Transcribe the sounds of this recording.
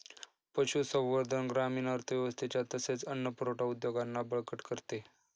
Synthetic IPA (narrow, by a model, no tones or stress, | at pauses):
pəɕusə̃ʋʋəɾd̪ʱənɡɾamiːnəɾt̪ʰəʋjɛʋəst̪ʰet͡ɕjat̪əset͡sənːəpəɾoʈaud̪joɡanːabəɭkəʈkəɾt̪e